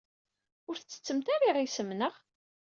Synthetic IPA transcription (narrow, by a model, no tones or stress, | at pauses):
ʊɾθt͡sːə̥t͡sːəmt̪aɾˤiʁisəmnəʁ